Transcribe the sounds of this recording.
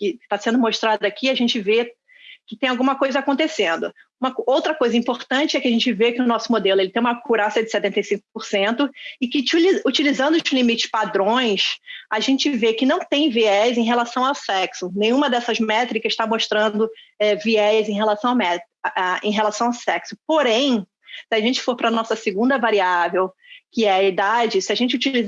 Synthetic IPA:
kɪt̪asẽnd̪ʊmoʃt̪ɾad̪ʊakʰiaʒẽnt͡ʃɪve | kɪt̪ẽj̃awɡũmɐkojzɐakõnt̪esẽnd̪ʊ | ũmɐowt̪ɾɐkojzɐĩmpoɾt̪ɐ̃t͡ʃɪɛkɪaʒẽnt͡ʃɪvekɪʊnɔsʊmod̪elʊelɪt̪ẽj̃ũmɐkuɾasɐd͡ʒɪset̪ẽnt̪ejsĩŋk̚ʊ̥poɾsẽnt̪ʊɪkɪt͡ʃliut͡ʃilizɐ̃nd̪ʊsẽlimit͡ʃɪ̥pad̪ɾõj̃saʒẽnt͡ʃɪvekɪnɐ̃w̃t̪ẽj̃viɛjzẽj̃ɦelasɐ̃w̃awsɛksʊnẽj̃ũmɐd̪ɛsɐzmɛt̪ɾikɐʃt̪amoʃt̪ɾɐ̃d̪ʊɛviɛzẽɦelasɐ̃w̃amɛ | ʔaḛ̃j̃ɦelasɐ̃w̃awsɛksʊpoɾẽj̃ | sɪaʒẽnt͡ʃɪ̥foɾpɾɐnɔsɐsɪɡũnd̪ɐvaɾiavew | kɪɛɐid̪ad͡ʒɪsɪaʒẽnt͡ʃɪut͡ʃiliz

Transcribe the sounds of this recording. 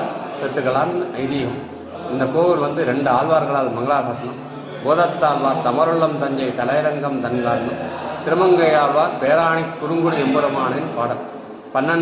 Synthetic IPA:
sɛt̪ːɯɣɐɭaːnʔɐɪðɪjɐm | ɪnd̪ɐkoːʋɪlʋɐnd̪ɯɾɛɳɖɯaːlʋaːɾɣɐɭaːlmɐŋɡɐɭaːsɐsɐnɐm | boːðɐt̪ːaːlʋaːɾt̪ɐmɐɾɯɭːɐmt̪ɐɲd͡ʒɐɪt̪ɐlɐjɐɾɐŋɡɐmt̪ɐnɪlaːɾnɐt̪ɪɾɯmɐŋɡɐjaːlʋaːɾpeːɾaːɳɪkːʊɾɯŋɡɯɽiɛmbɐɾɐmaːnɪnpaːɽɐl | pɐnːɐ

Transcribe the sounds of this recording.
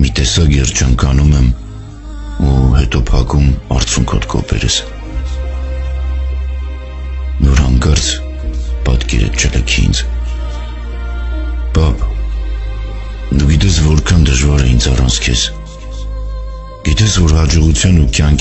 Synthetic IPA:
mit̪ɛsɑkjɛrt͡ʃʰəŋkɑnumɛm | uhɛt̪ɔpʰɑkumɑ̰rt͡sʰuŋkʰɔ̰t̪kʰɔ̰pɛ̰ɾə̰s | vɔɾɑŋkɑɾt͡sʰ | pɑt̪kɛ̰ɾɛ̰t͡ʃʰɛləkʰiiḭnt͡sʰ | b̥ɑp | d̪uɡit̪ɛsvɔɾkʰɑnd̪əʒvɑɾɛind͡zʰɑrɑ̰nt͡sʰkʰɛ̰s | ɡ̥it̪ɛsvɔɾɦɑd͡ʒɔʁut͡sʰjɑnukjɑŋk

